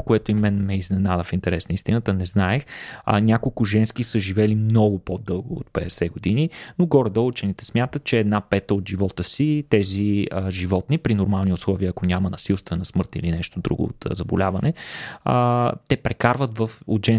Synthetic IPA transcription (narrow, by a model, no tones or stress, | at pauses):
koɛt̪ʊimɛnmɛiznɛnad̪əfint̪ɛɾɛsnəist̪inət̪ənɛznaɛxnʲakolˠkʊʒɛnsk̟isəʒivɛlimnɔɡʊpod̪ɤlˠɡʊo̰t̪̚pɛɛsɛɡod̪ininoɡɔɾəd̪əut͡ʃɛnit̪ɛ̥smʲjat̪ət̪̚t͡ʃɛːd̪napɛt̪əod̪ʒivɔt̪əsit̪ɛziəʒivɔt̪nipɾinoɾmalˠniʊslˠɔviəːkonʲamənɐsilˠst̪vɛnɐsmɤɾt̪ilinɛʃt̪od̪ɾṵɡʊ̰o̰t̪zɐbolʲavɐnɛət̪ɛpɾʔɛkaɾvət̪vəfod̪ʒɛn